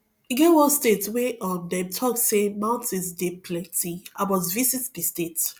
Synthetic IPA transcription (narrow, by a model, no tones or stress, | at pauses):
iɡɛwɔstetweʔɔdɛmtʰɔksemãʊ̃ntizdepʰlɛtiabɔzvisitdistet